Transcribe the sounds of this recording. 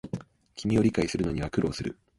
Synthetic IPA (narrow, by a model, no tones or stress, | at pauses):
kʲimʲio̞ɾʲikaisɨɾɯ̟no̞ɲ̟iβakɯ̟ɾo̞ːsɨɾɯ̟